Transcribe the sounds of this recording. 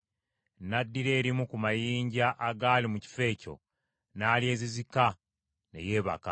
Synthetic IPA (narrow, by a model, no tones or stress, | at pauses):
nadːiɾe̞ːɾimukumajiːɲɟaʔaɡaːlimuci̥fe̞ːco̞̰ | naːlie̞ːzizika | ne̞̰je̞ːβa̰ka̰